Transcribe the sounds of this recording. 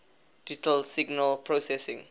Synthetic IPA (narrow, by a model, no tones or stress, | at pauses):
d̥itəlsiɡnəlpʰɹosɛsĩŋ